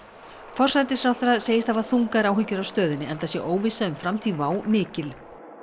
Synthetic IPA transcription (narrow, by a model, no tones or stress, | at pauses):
fɔr̥sajt̪ɪsfɾawθaɾaseːjɪst̪havaθuŋkaɾaːwɦʏcːʏɾawst̪œːðɪnːɪɛnt̪asjɛʔoːwvɪsːaʏmfɾamt̪ʰiːvaːwmɪːcɪl